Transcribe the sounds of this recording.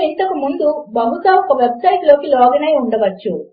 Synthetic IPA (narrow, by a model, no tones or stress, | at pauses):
int̪ɐkumund̪ubɐɦut̪aːɔkɐʋe̞bsɐjʈlo̞ːkilɔːɡɐnɐjuɳɖɐʋɐt͡ʃːu